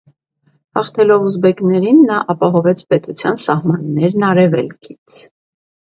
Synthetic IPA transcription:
hɑχt̪ʰɛlɔvuzbɛknɛɾinːɑʔɑpɑɦɔvɛt͡sʰpɛt̪ut͡sʰjɑnsɑhmɑnːɛɾnɑɾɛvɛ̰lkʰit͡sʰ

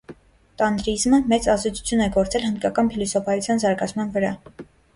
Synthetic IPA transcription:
t̪ɑnd̪ɾizməmɛt͡sɑzd̪ɛt͡sʰu̥t͡sʰjunɛɡɔɾt͡sɛlhənd̪kɑkɑnpʰilɔsɔpʰɑjut͡sʰjɑnzɑɾɡɑt͡sʰmɑnvəɾɑ

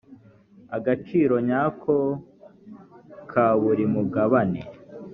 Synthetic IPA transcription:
aɡat͡ʃiɾo̞ɲaːkʰo | kʰaβuɾimuɡaβanḛ

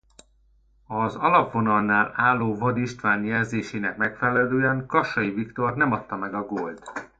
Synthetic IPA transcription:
ɒzɒlɒpʋo̞nɒlnaːlaːlːoːvɒd̪iʃt̪ʋaːnjɛlzeːʃeːnɛkmɛkfɛlɛløːɛŋkɒʃɒjivikt̪o̞rnɛmɒt̪ːɒmɛɡɒɡolt̪

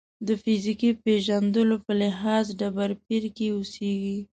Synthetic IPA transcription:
d̪əfɪzikipeʒand̪əlopəlɪɦɑzɖabaɾpiɾkeuseɡi

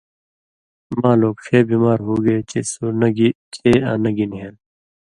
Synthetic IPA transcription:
mãːloːɡʂʰeːbiːmaːɾɦuːɡeːesunɡt͡ʃʰeːã̰ːnɐɡinɦeːn

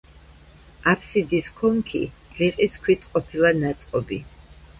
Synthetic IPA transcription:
apʰsid̪iskʰɔŋkʰḭ | liqʼiskʰwit̪ʰqʼɔpʰilˠanat̪sʼqʼɔbḭ

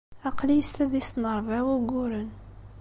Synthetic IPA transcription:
ɑqlijəst̪æðist̪nəɾˤvæwæɡʊɾən

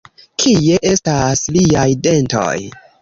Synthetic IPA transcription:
kʰije̞ʔe̞stasliajde̞nto̞̰j

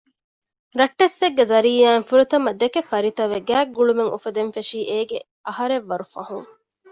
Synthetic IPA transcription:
ɾɐʈːesʋeɡːezɐɾiːaːŋfuɾut̪ɐmɐd̪ekefɐɾit̪ɐʋeɡæːɡːuɭumeŋʔṵfɐd̪enfeʃiːʔeːɡe | ɐhɐɾeʋːɐɾufɐ̰huŋ

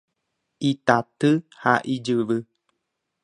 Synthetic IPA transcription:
it̪at̪ɨhaʔid͡ʒɨʋɨ

